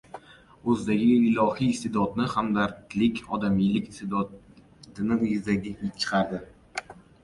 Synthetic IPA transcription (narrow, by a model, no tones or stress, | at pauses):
ɵzd̪aɡʲɪɪlɒhiːst̪ed̪ɒt̪nɪχamd̪aɾt̪lɪkʲɒd̪amijlɪkʲst̪ed̪ɒ | t̪ɪnɪʊjɪzd̪aɡʲɪhɪt͡ʃʰɨ̥qʰɑɾd̪ɪ